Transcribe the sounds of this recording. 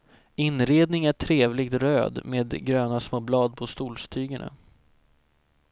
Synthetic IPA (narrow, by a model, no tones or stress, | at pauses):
ɪnɾeːd̪nɪŋæʈʰɾeːvlɪɡ̚t̪ɾøːd̪meːd̪ɡɾøːnasmoːblɑːd̪̚pʰɔst̪uːlst̪ʰyːɡəna̰